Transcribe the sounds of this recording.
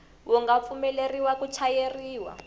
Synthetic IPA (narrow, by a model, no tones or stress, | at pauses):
wʔɔŋɡap̪fumɛleriwakut͡ʃʰajeriːwa̰